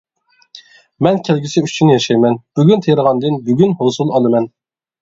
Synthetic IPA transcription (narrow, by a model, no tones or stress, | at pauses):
mɛnkʲʰælɡʲisɪyt͡ʃʰynjɑʃɑjmɛnb̥yɡʲynt̪ʰejɾəʁɑnd̪ɨnbyɡʲynhosulˠɑlˠɨmɛn